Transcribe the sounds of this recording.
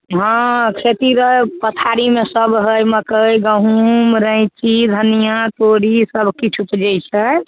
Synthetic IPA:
ɦãkʰet̪iɾəpət̪ʰaɾimesəbʱɦəjməkəjɡəɦumɾə̃ɪ̃t͡ʃid̪ʱənijãt̪oɾisəbʱkit͡ʃʰupd͡ʒəjt͡ʃʰɛ

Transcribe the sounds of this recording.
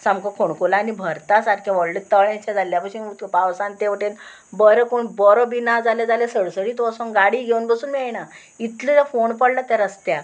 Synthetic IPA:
samkɔkʰoɳkolaːnibʱəɾt̪asaʈkʰãʋɔɭlət̪əɭɛ̃t͡ɕãd͡zalːjapəɕiut̪paʋsãnt̪eʋəʈen | bəɾəkoɳbɔɾɔbinad͡zaled͡zalesəɽsəɽiːt̪ːsɔ̃ŋɡaɽiːɡʱewnbəsuːnmiajna | it̪lilafoɳpəɽlat̪jaɾəst̪ja

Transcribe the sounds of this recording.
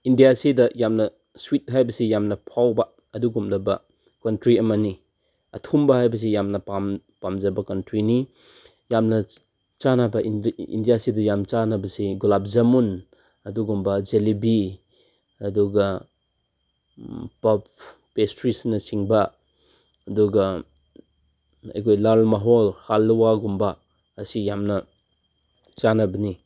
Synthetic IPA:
indijasidɐjamnɐ | swit̚ɦajbɐsijamnɐpʰawbɐ | ɐduɡumlɐbɐ | kɐntɾiɐmani | ɐtʰumbɐɦajbɐs̬ejamnɐpam | pamd͡ʒɐbɐkɐntɾini | jamnɐ | t͡ʃanabɐʔiḭndijasidɐjamt͡ʃanabɐseɡulap̚zɐmun | ɐduɡumbɐd͡ʒelibi | ɐduɡɐ | pɐp̚ | pestɾisnɐt͡ʃiŋba | ɐduɡɐ | a̰jkojlalmaɦolhalːuwaɡumbaː | sijamnɐ | t͡ʃanɐbɐni

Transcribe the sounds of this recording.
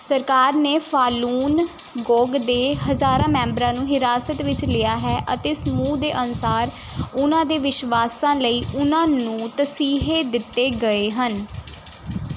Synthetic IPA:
səɾkaːɾneːfʰaːluːn | ɡoːɡd̪eːɦəzaːɾãːmɛ̃ːmbɾãːnũːɦɪɾaːsət̪ʋɪt͡ʃlɪjaːɦɛːʔət̪eːsəmuːd̪eːʔənʊsaːɾ | ʊnãːd̪eːʋɪʃʋaːsãːləiːʔʊnãːnũːt̪əsiːɦeːd̪ɪt̪ːeːɡəeːɦən

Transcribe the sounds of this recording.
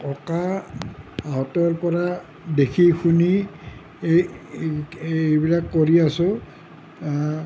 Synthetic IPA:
kɔkaː | ɦɔtɔɹpɔɹa | dekʰixuni | ebilakːoɹiasʊ

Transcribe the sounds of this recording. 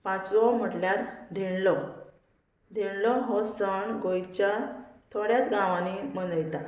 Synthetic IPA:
pãt͡sɔm̤əʈljaɾd̪ʱiɳlɔ | d̪ʱiɳlɔɦɔsəɳɡojt͡ɕat̪ʰoɽjat͡sɡãʋãnimənəjt̪a

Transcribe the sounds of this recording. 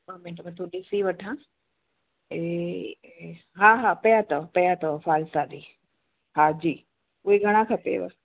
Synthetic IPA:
bɐmɪ̃ʈmɐt̪ʰuɗɪsiʋɐʈʰã | e | ɦaːɦaːpɐjat̪ɐpɐjat̪ɐfaːlsad̪iː | haːd͡ʑiː | ʊɦeɡʱɐɽ̃ãkʰɐpḛʋɐ̰

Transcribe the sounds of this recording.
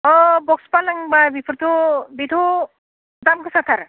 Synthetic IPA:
ɔbɔkspalaŋbabipʰɾt̪ʰubit̪ʰu | d̪amkʰɯsat̪ʰaɾ

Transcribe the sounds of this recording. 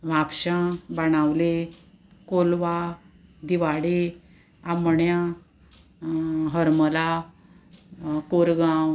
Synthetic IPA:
ʋapɕãbaɽ̃awle | kolʋa | d̪iʋaɽe | aməɳjã | ɦəɾməla | koɾɡãw

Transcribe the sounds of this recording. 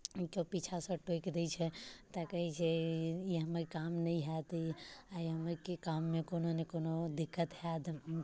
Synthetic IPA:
kopit͡ʃʰasə̃ʈojkd̪ɛt͡ʃʰɛt̪əkəɦɛt͡ʃʰɛiɦəməɾkamnəiɦɛt̪aiɦəməɾkekamːekononekonod̪ikːət̪ɦɛd̪

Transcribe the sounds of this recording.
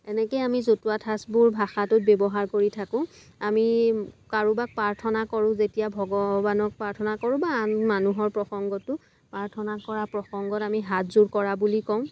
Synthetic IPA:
ɛnɛkɛjamizotuatʰasbuɹbʱaxatʊt̚bɛbɔɦaɹkoɹitʰakʊ̃ | amikaɹubak̚paɹtʰɔnakɔɹʊ̃zetijabʱɔɡɔbanɔk̚paɹtʰɔnakɔɹʊ̃baːnmanuɦɔɹpɹɔxɔŋɡɔtʊ | paɹtʰɔnakɔɹapɹɔxɔŋɡɔtamiɦatzuɹkɔɹabulikɔ̃ʊ̃

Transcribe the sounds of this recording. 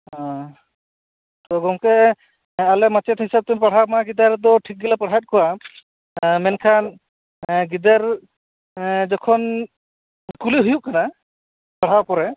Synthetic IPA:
ɔ̃ | t̪ɔɡɔŋkɛ | alɛmat͡ʃɛt̪ɦisab̚t̪umpaɽ̤amaɡid̪aɾd̪ɔʈʰik̚ɡɛlapaɽ̤at̪̚kɔwa | mɛnkʰan | ɡid̪aɾ | d͡ʒɔkʰɔn | kuliɦujuʔkana | paɽ̤apɔɾɛ

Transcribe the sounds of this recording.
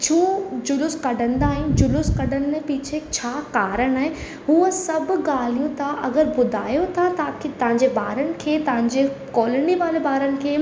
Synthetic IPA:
t͡ɕʰuːd͡ʑʊlʊskɐɖə̃nd̪aːɦɪnd͡ʑʊlʊskɐɖənɪ̆mẽpɪːt͡ɕʰet͡ɕʰaːkaːɾəɽ̃aːɦɪ̃ | ɦuːəsɐbʊ̆ɡaːl̤ijũt̪ʰaʔɐɡəɾbʊd̪ʱaːjot̪ʰat̪aːkʰet̪ɐʋ̤ãɲd͡ʑebaːɾənɪ̆kʰeːt̪ɐʋ̤ãɲ̆d͡ʑekɔːləɳnɖiʋaːlebaːɾənɪ̆kʰeː

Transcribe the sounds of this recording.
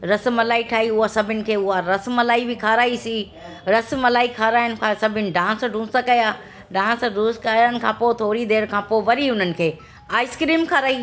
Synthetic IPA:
ɾɐsmɐlaːiʈʰaːɦiʊɦasɐbʱɪnɪ̆kʰeːʊɦaɾɐsmɐlaːibʱɪkʰaːɾaːisi | ɾɐsmɐlaːikʰaːɾaːɪjənɪ̆kʰãsɐbʱɪnɪ̆ɖãːsɖʱũːsakɐjaː | ɖãːsɖũːskajənɪ̆kʰãːpoːt̪ʰoːɾid̪eːɾkʰãːpoːʋɐɾiʊn̤ənɪ̆kʰeː | aːɪskɾiːmkʰaːɾaːi

